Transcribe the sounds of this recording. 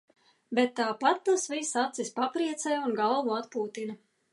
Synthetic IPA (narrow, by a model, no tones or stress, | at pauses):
bɛt̪ːaːpat̪̚t̪asvisat̪sispapɾiɛt̪sɛjunɡalˠvuat̪puːt̪ina